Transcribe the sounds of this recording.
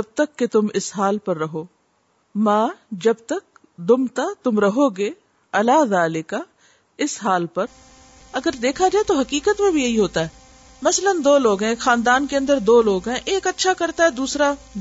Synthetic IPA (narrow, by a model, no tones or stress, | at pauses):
d͡ʒɐb̚t̪ɐkːet̪ʊmɪsɦaːlpɐɾːɐɦoː | mãːd͡ʒɐbt̪ɐk̚ | d̪ʊmt̪at̪ʊmɾɐɦoɡe | ɐlaːd̪aːlɪka | ɪsɦaːlpɐɾ | ɐɡəɾd̪eːkʰad͡ʒaːet̪oɦɐkiːkət̪mẽbʱijɐɦiɦoːt̪aɦɛː | mɐslənd̪oːloːɡɦɛ̃xaːnd̪aːnkeɐ̃nd̪əɾd̪oːloːɡɦɛ̃ʔeːkɐtːʃʰakɐɾt̪aɦɛːd̪uːsɾa